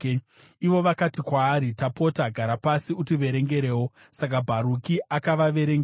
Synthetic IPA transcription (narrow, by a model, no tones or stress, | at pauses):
iʋo̞ʋakatikwaːɾitapo̞taɡʱaɾapasiutiʋe̞ɾe̞ŋɡe̞ɾe̞ːwo | sak̬abʱaɾukiʔakaʋaʋe̞ɾeŋɡ